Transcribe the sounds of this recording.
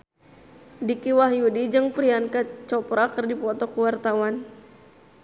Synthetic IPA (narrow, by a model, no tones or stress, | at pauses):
dikiwaɦjudid͡ʒɨŋpɾiankat͡ʃɔpɾakɨrdipɔt̪ɔkuwart̪awan